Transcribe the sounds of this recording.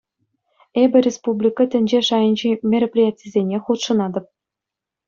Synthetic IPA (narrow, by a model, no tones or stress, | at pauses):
ebʲɘ̆rʲespublʲikɤ̆t̪ʲɘ̆nʲd͡ʑeʂɑjɤ̆nʲʑimʲeɾʲoprʲijatʲlʲizʲenʲeχut̪ʂɤ̆nɑd̪ɤ̆p̚